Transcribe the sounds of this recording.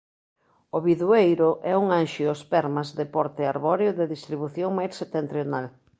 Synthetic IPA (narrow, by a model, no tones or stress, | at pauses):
oβiðuejɾʊʔɛuŋanʃiospɛɾmazðɪpɔɾt̪ɪaɾβɔɾjoðɪðist̪ɾiβuθjoŋmajɾset̪ent̪ɾjonal